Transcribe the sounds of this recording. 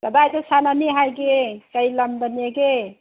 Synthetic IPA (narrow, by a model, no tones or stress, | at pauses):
kəbajd̪osananiɦajɡekəiləmd̪əneɡe